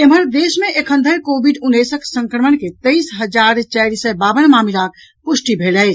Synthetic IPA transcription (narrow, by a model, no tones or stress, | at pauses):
eməɾd̪eːʃmẽʔekʰə̃nd̪ʱəɾkoːbiɖunːesəksə̃ŋkɾəməɳket̪əisɦəd͡ʒaːɾt͡ʃɛɾisəbaːbənmaːmilak̚ | pʊʃʈibʱeːləɪt͡ʃʰ